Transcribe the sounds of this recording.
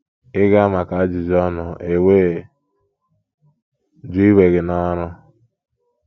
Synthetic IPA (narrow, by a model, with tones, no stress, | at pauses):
ɪ˦ɡa˦a˦ma˨ka˨a˦d͡ʒʊ˨d͡ʒɔ˦nɔ˨e˨weː˦˨ | d͡ʒʊ˦i˦we˨ɡɪ˨nɔ˦ɾʊ˦